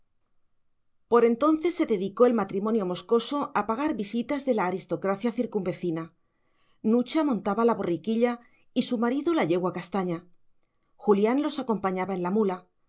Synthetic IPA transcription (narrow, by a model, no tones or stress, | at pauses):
po̞ɾe̞nt̪o̞nθe̞sːe̞ðe̞ðiko̞e̞lmat̪ɾimo̞njo̞mo̞sko̞soʔapaɣ̞aɾβisit̪azðe̞laːɾist̪o̞kɾaθjaθiɾkumbe̞θina | nut͡ʃamõ̞nt̪aβalaβo̞rikiʎa | isumaɾiðulaʝe̞ɣwakast̪aɲa | xuljanlo̞sako̞mpaɲaβae̞nlamula